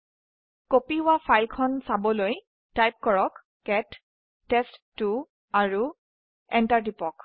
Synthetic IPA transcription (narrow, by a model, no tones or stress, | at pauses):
kopiʊwapʰajlkʰɔnsabɔloj | tajp̚kɔɹɔk | kɛtː | ɛstːu | aɹu | ɛntaɹdipɔk